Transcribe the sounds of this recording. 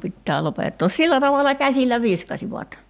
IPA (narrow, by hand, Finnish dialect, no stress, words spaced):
pitːæː lopetːoːs silːæ tɑʋɑlɑ kæsilˑæ ʋiskɑsiʋɑt